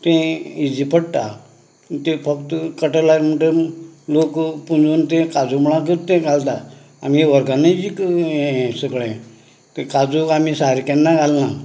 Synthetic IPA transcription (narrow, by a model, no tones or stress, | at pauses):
t̪ẽid͡ʑipʰəɽt̪a | t̪ẽfəkt̪kəʈəlaɾməɳʈəlokpund͡zont̪ẽkad͡zumɭãk̬əɾt̪ẽɡalt̪a | am̤ieʋəɾɡanaid͡ʑik | səɡɭẽ | t̪ekad͡zuamisaɾikɛ̃nːaɡʱalna